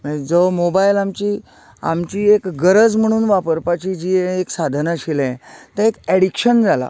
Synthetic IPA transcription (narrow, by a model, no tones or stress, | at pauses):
məd͡zəmobailamt͡ɕiː | a̰mt͡ɕiːekɡəɾəd͡zm̤əɽ̃uːnʋapəɾpat͡ɕid͡ʑĩeksad̪ʱnaɕilɛ̃t̪əekɛɽikɕənd͡zala̰